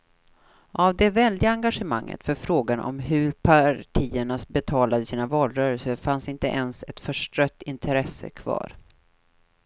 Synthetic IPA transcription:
ʔavd̪ɛvɛld̪ɪɡaŋɡaʂəma̰ŋːʔə̰t̪fœɾfɾoːɡanʔɔ̰mɦɵɾpʰaʈʰiːəɳasbɛt̪ʰɑːlad̪əsiːnavɑːlɾœːɾəlsəɾfansɪnt̪əʔɛnsɛt̪fœʂʈɾœt̪ːɪnt̪ʰɾɛsə̰kʰvɑ̰ːɾ

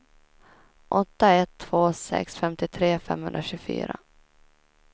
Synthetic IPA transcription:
ʔɔt̪ːaɛt̪ʰːv̥oːsɛ̰ksfɛmt̪ɪt̪ʰɾeːfɛ̰mhɵ̰nɾaɕʉːfy̰ːɾa̰

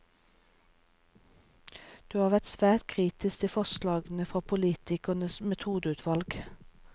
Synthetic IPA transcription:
d̪̥ʉːhɑːʋæt̪sʋæːt̪̚kʰʁiːt̪ɪst̪əfɔslɑːɡn̩əfʁɑpʰʊliːt̪ɪkənəsmɛt̪ʰuːd̪əʉːt̪ʰʋɑlɡ

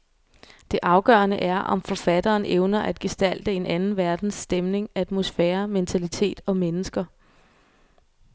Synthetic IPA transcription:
d̥e̝ʔɑ̈ʊɡ̥ɶ̰ːɐnəʔæɐʔɒ̽mfɒ̽fæd̥ɐːnʔeʊnɐʔæd̥̚ɡ̥e̝sd̥æl̰d̥əe̝nʔænn̩ʋæɐd̥n̩sd̥emne̝ŋæd̥mo̝sfɛːɐment͡sʰælit͡sʰe̝̰ːd̥ɒ̽menəsɡ̥ɐ

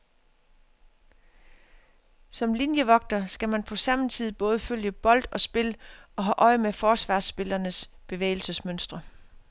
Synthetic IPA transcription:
sɒ̽mlinjəʋɒ̽ɡ̥̚d̥ɐsɡ̥æmænpʰɒ̽sɑ̈mn̩t͡sʰið̞̰̩ˠb̥ɔ̽ːð̞ˠəføljəb̥ɒ̽l̰d̥ɒ̽sb̥e̝lɒ̽ɦɑʔɒ̽ɪəmefɒːsʋɑ̰̈ːsb̥e̝lɐnəs | b̥e̝ʋḛɪl̩səsmønsd̥ʁɐ

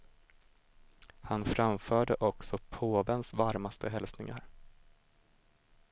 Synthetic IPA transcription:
hanfɾamfœːɖəʔɔksɔpʰoːvɛnsvaɾmast̪ʰəɦɛlsnɪŋa̰ɾ

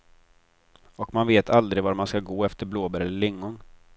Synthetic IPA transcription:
ɔkmanveːt̪ʰald̪ɾɪvaɾmanskaɡoːɛft̪əɾbloːbəɾɛlːəɭɪŋːʊn

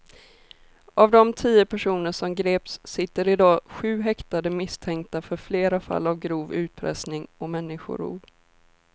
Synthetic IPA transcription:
ʔavd̪ɔmt̪ʰiːəpʰæʂuːnəʂɔmɡɾeːpsːɪt̪ːəɾɪd̪ɑːɧʉ̟ːɦɛkt̪ad̪əmɪst̪ʰɛŋkt̪afœɾfleːɾafa̰lːavɡɾuːvʉ̟ːt̪̚pʰɾɛ̰snɪŋɔmɛnːɪɧʊ̰ɾṵːb

